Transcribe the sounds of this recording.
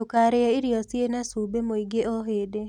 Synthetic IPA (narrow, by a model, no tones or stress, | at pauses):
okaɾeɔiɾiɔsjenasubemoiɡeʔoɦede